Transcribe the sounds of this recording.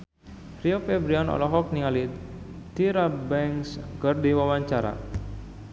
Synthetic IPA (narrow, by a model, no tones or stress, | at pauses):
riofɛbɾianɔ̰lɔɦɔk̚nialit̪iɾabɛŋskərdiwawaɲt͡ʃaɾa̰